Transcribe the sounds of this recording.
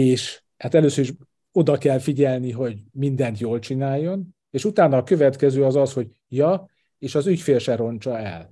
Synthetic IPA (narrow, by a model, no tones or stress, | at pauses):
eːʃ | haːt̪ɛløːsøɾiʃ | o̞d̪ɒkɛlfiɟɛlniɦo̞ɟmind̪ɛnt̪joːlt͡ʃinaːjːo̞n | eːʃut̪aːnːɒːkø̞vɛt̪kɛzøːɒzɒsho̞ɟ | jɒ | eːʃɒzycfeːlʃɛɾo̞nt͡ʃɒɛ̰l